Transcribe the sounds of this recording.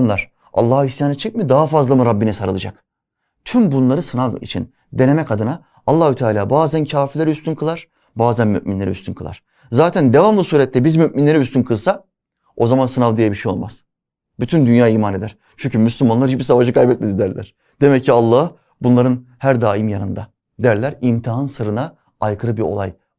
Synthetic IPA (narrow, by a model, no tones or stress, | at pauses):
nlˠaɾ̥ | a̰lˠːaːisjaːnɯt͡ʃʰɯc̚mid̪aɦafazlˠamɯɾabːinisaɾɯlˠɯd͡ʒa̰k̚ | t̪ʰymbunlˠaɾɯsɯnavḭt͡ʃʰḭn | d̪e̞ne̞mɛcad̪ɯnaː | lˠːaːhut̪ʰaːlʲaːbaːzæncʰaːfilʲeɾɛyst̪ʰynkʰɯlˠaɾ̥ | baːzænmy̰ʔminlʲe̞ɾḭy̰st̪ynkɯlˠa̰ɾ̥ | zaːt̪ʰænd̪e̞vamlˠɯsuːɾɛt̪ʰːɛbizmyʔminlʲeɾyst̪ynkʰɯlˠsa | o̞zamansɯnavd̪ijɛbiʃejo̞lˠmʔa̰z̥ | byt̪ʰynd̪ynjaːiːmane̞d̪æɾ̥ | t͡ʃʰyɲcʰymyslʲymanlˠaɾibiɾsavad͡ʒɯkʰajbɛt̪̚med̪id̪æɾlʲæ̰ɾ̥ | d̪̥e̞mɛcʰːialˠːaː | bunlˠaɾɯnhæɾd̪aːimjanɯ̰nd̪a | d̪æɾlʲæɾimt̪ʰiɦɯnsɯɾɯna | ajkʰɯɾɯbiɾo̞̰lˠa̰j